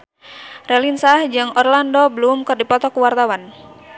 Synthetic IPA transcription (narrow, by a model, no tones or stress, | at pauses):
rɛlinsahd͡ʒɨŋɔrlandɔbəlumkɨrdipɔt̪ɔkuwart̪awan